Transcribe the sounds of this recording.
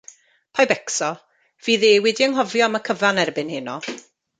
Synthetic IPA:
pʰajbɛksɔ | v̥iːðeːwɪdiəŋɦɔvjɔaməkʰəvanɛrbɪnhɪnɔ

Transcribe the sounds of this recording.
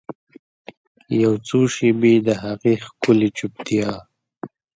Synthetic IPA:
jawt͡soʃebed̪əɦaɣixkʊlit͡ʃup̚t̪ija

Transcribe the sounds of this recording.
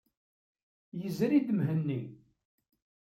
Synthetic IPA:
jəzɾid̪mɦənːi

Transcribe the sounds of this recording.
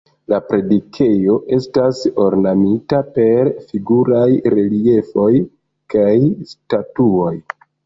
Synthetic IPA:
lapɾe̞dikʰe̞jo̞ʔe̞staso̞ɾnamitape̞ɾfiɡuɾajɾe̞lie̞fo̞j | kajstatuo̞j

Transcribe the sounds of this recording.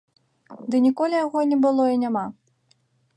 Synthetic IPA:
d̪ɨnʲikɔlʲijaɣɔnʲɛbɨlˠɔinʲama

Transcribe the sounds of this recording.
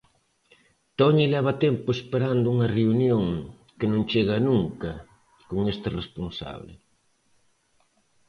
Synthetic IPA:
t̪ɔɲilɛβ̞ɐt̪ɛmpʊespeɾand̪ʊuŋɐreunjoŋ | kɪnõŋt͡ʃeɣɐnuŋkɐ | koŋest̪ɪresponsa̰βlɪ̰

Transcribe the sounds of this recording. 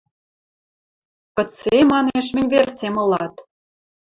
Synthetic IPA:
kɤ̆t͡semɑneʃ̬mɘ̆nʲvert͡semɤ̆lɑt̪

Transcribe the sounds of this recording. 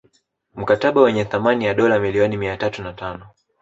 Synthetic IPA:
m̩kataɓawɛɲɛθamanijaɗɔlamiliɔnimiatatunatanɔ

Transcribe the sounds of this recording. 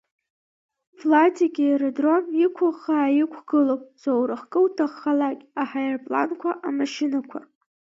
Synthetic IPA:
flatʰaɡʲijɾadromikʷʰaχaːjɪkʷʰɡɨlopʼzowɾɨχkʼɨwtʰaχːalakʲʼaħajɪrpʼla̰nkʷʰaʔamaʃinakʷʰa̰

